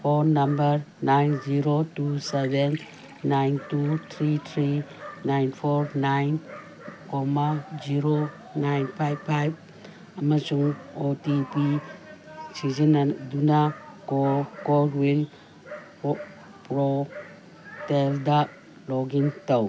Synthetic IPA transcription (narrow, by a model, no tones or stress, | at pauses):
pʰoɾnambəɾnajnziɾotusebenː | ajntut̪ʰɾitʰɾinajnpʰɔɾnajn | kɔmaziɾo | najnpʰajbpʰːajb̚ | ɐmasuŋotipi | sizinadunakokoɾwin | pɾo | telda | lɔɡiŋtow